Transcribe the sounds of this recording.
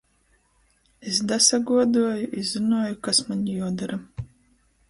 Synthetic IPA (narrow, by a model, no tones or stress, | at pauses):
es̬d̪asɐɡuɔd̪uɔjʊʔizɨnuɔjʊkasmaɲʲijɔd̪aɾa